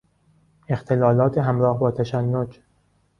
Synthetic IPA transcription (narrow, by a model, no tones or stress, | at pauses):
ext̪ʰe̞lɒːlɒːt̪ʰeɦæmɾɒːhbɒːt̪ʰæʃælːod͡ʒ